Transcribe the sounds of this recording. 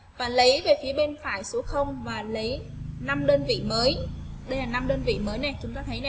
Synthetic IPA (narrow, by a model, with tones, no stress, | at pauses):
vaː˨˩lə˨˦jve˨˩fi˨˦əɓe˧nfaː˧˩˨jso˨˦xə˧wŋ͡mvaː˨˩lə˨˦j | na˧mɗəː˧nvḭ˧˨məː˨˦j | ɗə˧jlaː˨˩na˧mɗəː˧nvḭ˧˨məː˨˦jna˨˩jt͡ɕʊ˨˦ŋ͡mt̪aː˧jt̪ʰə˨˦jnɛ˨˩